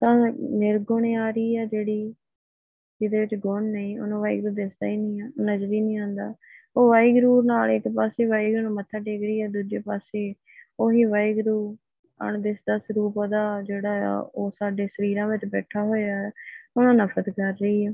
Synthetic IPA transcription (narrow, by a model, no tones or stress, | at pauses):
t̪ãːnɪɾɡʊɳeːaːɾəiːɛːd͡ʒeːɽiː | d͡ʒɪd̪eːʋɪt͡ʃɡʊɳnəĩːʊ̰nãːʋaːḭɡɾuːd̪ɪsd̪aːiːnĩːnəd͡ʒɾiːnĩːãːnd̪aː | oːʋaːiɡɾuːnaːleɪkpaːseːʋaːiɡñːmət̪ʰːaːɖeːkɾiːɛːd̪uːd͡ʒeːpaːseː | oːɦiːʋaːiɡɾuː | ə̰ɳd̪ɪsd̪aːsɾuːpːd̪aːd͡ʒeːɽa̰ːo̰ːsaːɖeːsəɾiːɾãːʋɪt͡ʃbɛːʈʰaːɦoːjaːɛːʊnãːnəfʰɾət̪kəɾːəiːɛː